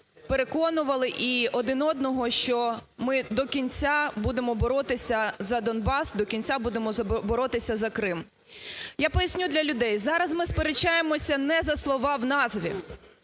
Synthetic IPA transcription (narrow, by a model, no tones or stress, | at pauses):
peɾe̞kɔnʊʋɐlˠɪʔiɔd̪ɪnɔd̪̚nɔɦɔʃt͡ʃɔmɪd̪ɔkʲinʲt͡sʲabud̪emɔbɔɾɔt̪ɪsʲɐzɐd̪ɔnbɑsd̪ɔkʲinʲt͡sʲabud̪emɔbɔɾɔt̪ɪsʲɐzɐkɾɪm | japɔjɐsʲnʲud̪lʲɐlʲʊd̪ɛjzɑɾɐzmɪspeɾet͡ʃːajemɔsʲɐnɛzɐslˠɔʋɑwnɑzʋʲḭ